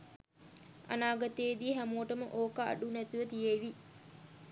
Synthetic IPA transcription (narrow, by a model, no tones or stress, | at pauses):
a̰naːɡət̪eːd̪iːɦæmowʈəməʔoːkəa̰ɖunæt̪uʋət̪ijeʋi